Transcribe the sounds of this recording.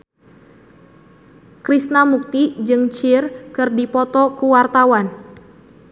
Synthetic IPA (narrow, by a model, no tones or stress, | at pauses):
kɾisnamuk̚t̪id͡ʒɨŋt͡ʃɪrkɨrdipɔt̪ɔkuwart̪awan